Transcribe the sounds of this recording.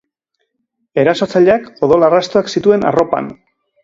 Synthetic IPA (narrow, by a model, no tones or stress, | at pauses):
e̞ɾaso̞t͡saʎeako̞ðo̞larast̪oaksit̪ue̞na̰ro̞pa̰n